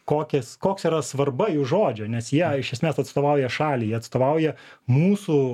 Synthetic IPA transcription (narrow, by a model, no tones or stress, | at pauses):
koːkʲɛskoːksiːɾɐsʋɐrbɐjuːʒoːd͡ʒʲonʲɛsjiɛɪʃʲɛsʲmʲeːsɐt̪st̪oːʋɐʊjɛʃɑːlʲiːjiɛɐt̪st̪oːʋɐʊjɛmuːsu